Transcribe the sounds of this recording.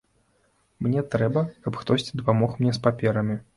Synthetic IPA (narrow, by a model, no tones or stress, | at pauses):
mnʲɛt̪ɾɛbɐkɐpxt̪ɔsʲt͡sʲid̪ɐpamɔxmnʲɛspapʲɛɾɐmʲi